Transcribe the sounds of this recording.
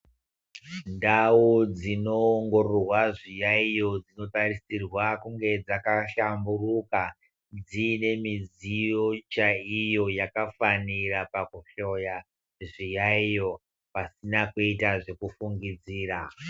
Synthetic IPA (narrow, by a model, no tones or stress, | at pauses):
ndawud͡zino̞ːŋɡo̞rorwaʐijaijo̞d͡zino̞tarisirwakuŋɡe̞d͡zakaʃamburuka | d͡zine̞mid͡zijo̞t͡ʃaijo̞jakafanirapakuʃo̞ja | ʐijaijo̞ | pasinakuitaʐe̞kufuŋɡid͡ziːra